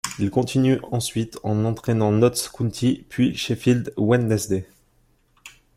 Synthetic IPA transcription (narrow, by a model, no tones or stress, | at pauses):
ilkɔ̃t̪ʰinyʔɑ̃sɥit̪ʰɑ̃nɑ̃t̪χɛnɑ̃nɔt̪skunt̪ʰipʰɥiʃefild̪wɛnd̪ɛsd̪e